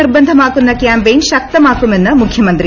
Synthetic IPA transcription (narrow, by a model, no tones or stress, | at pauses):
iɾbɐnd̪ʱɐmaːkunːɐkjaːmbeːnʃɐk̚t̪ɐmaːkumɐnːɐmukʰjɐmɐnt̪ɾi